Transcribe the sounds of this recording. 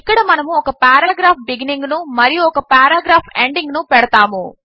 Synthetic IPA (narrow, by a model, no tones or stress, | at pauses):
kːɐɽɐmɐnɐmuɔkɐpaːɾaːɡɾaːpʰbiɡiniŋɡnumɐɾijuɔkɐpaːɾaːɡɾaːpʰeɳɖiŋɡnupɛɽɐt̪aːmṵ